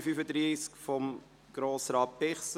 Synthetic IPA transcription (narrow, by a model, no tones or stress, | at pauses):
fyfədɾiːskfɔm | ɡ̥ɾoːsrɑːt̚b̥ɛχs